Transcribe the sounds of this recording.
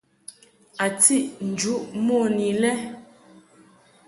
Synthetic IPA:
a˨t͡si˦ʔn̩˨d͡ʒu˦ʔmɔ˦˨ni˨lɛ˦

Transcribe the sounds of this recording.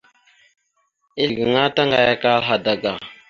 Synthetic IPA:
i˦˨ɡi˨ŋa˦ta˦ŋɡa˨ja˦ka˦lɦa˨da˨ɡa˨

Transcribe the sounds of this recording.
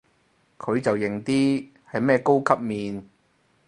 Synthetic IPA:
kʰɵ˨˧ɥt͡sɐ˨wjɪ˨˩ŋt̪iː˥ | hɐ˨jmɛː˥ko˥wkʰɐ˥p̚miː˨n

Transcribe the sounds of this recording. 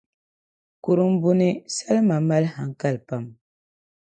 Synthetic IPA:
ku˨ɾu˦m̩˦bu˦ni˦sa˦lma˨ma˦lha˨ŋ˦ka˦lpa˦˨m

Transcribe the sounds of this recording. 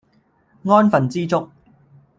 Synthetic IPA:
ŋɔː˥nfɐ˨nt͡siː˥t͡sʊ˥k̚

